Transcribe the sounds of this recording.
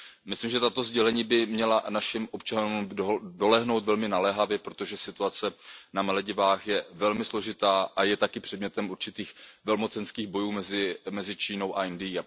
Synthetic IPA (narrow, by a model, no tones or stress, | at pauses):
mɪslimʒɛt̪at̪o̞zɟɛlɛɲiːbɪmɲɛlanaʃɪmʔo̞p̚t͡ʃanumdo̞lɛɦno̞wt̪vɛlmɪnalɛːɦavjɛpɾo̞t̪o̞ʒɛsɪt̪uat͡sɛnamɛlɛɟɪvaːxjɛvɛlmɪslo̞ʒɪt̪aːʔajɛt̪akɪpr̝̥ɛd̚mɲɛt̪ɛmuɾt͡ʃɪt̪iːxvɛlmo̞t͡sɛnskiːɣbo̞juːmɛzɪmɛzɪt͡ʃiːno̞wʔaɛndɪjiː